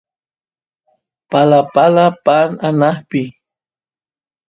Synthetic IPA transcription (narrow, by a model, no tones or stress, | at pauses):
palapalapananahpɪ